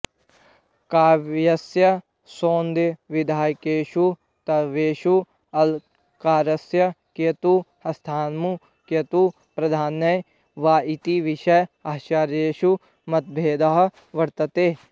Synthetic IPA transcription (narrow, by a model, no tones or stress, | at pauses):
kaːʋjɐsjɐ | soːnd̪eʋid̪ʱaːjkeːʃu | t̪ɐʋeːʃu | ɐl | kaːɾɐsjɐket̪u | ɐst̪ʰaːnmu | kjɐt̪u | pɾɐd̪ʱaːnːɐj | ʋaːit̪iʋiʃɐjɐːʃaɾjeːʃu | mɐt̪̚bʱeːd̪ɐɦ̆ | ʋɐɾt̪ɐt̪eː